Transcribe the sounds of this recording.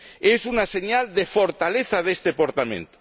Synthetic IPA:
esunaseɲald̪efoɾt̪aleθað̞est̪epoɾt̪amḛ̃nt̪o̥

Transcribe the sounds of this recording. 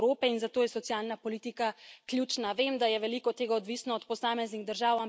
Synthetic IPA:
ɾoːpɛinzat̪oːjɛsɔt̪sijaːlnapɔliːt̪ikaklʲjuːt͡ʃnaʋeːmd̪ajɛʋɛlikɔt̪ːeːɡaɔd̪ʋisnɔɔt̪pɔsaːmɛzniɣd̪əɾʒaːwam

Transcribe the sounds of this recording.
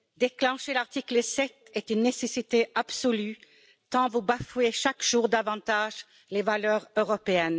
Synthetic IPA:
d̪eklɑ̃ʃelaʁt̪ikləsɛt̪ɛt̪ynːesɛsit̪eʔabsɔly | t̪ɑ̃vubafyeʃakʒ̥uːʁd̪avɑ̃t̪aːʒ | levalœːʁøʁɔpeɛn

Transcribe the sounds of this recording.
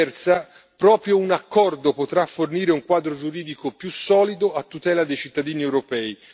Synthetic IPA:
ɛrt̪sa | pɾɔːpɾjounakːɔrd̪opot̪ɾafːorniːɾeuŋkwaːd̪ɾod͡ʒuɾiːd̪ikopjusːɔːlid̪oat̪ːut̪ɛːlad̪ejt͡ʃit̪ːad̪iːniɛwɾopɛːi

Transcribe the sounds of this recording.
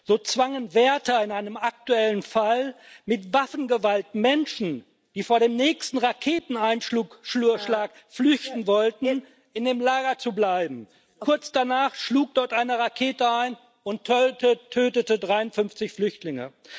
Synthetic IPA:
z̥oːt͡sv̥aŋənvɛːɐtɐɪnaɪnəmak̚tuɛlənfal | mɪtv̥afn̩ɡəvaltmɛnʃn̩ | d̥iːfoːɐɾeːmnɛːçstn̩ʁakʰeːtn̩aɪnʃluːkʃluɐʃlaːk | flʏçtn̩vɔltn̩ | ɪndeːmlaːɡɐt͡sublaɪbm̩ | kʰʊɐt͡sd̥anaːχʃluːk̚d̥ɔɐtʔaɪnəʁakʰeːtəaɪn | ʊntʰːətʰøːtətədʁaɪʊntfʏnft͡sɪçflʏçtlɪŋə̰

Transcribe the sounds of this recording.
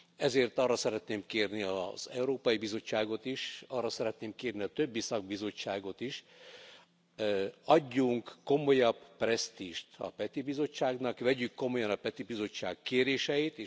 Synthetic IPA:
ɛzeːrt̪ɒrːɒsɛɾɛt̪neːmkeːrniɒz̥ɛuɾoːpɒjibizo̞t͡ʃːaːɡo̞t̪iʃɒrːɒsɛɾɛt̪neːmkeːrniɒt̪ø̞bːisɒɡ̚bizo̞t͡ʃːaːɡo̞t̪iʃ | ɒɟːuŋkːo̞mo̞jɒbːrɛst̪iːʃt̪ɒ̰pɛt̪ibizo̞t͡ʃːaːɡnɒkʋɛɟykːo̞mo̞jɒnɒpɛt̪ibizo̞t͡ʃːa̰ːkkeːɾeːʃɛjit̪eː

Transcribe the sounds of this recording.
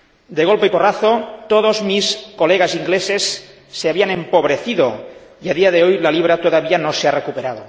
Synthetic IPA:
d̪eɣ̞olpeiporaθot̪oðozmiskoleɣ̞asiŋɡlesesː | eaβianẽmpoβ̞ɾeθiðoiaðiaðe̞ojlaliβ̞ɾat̪oðaβianosearekupeɾað̞o

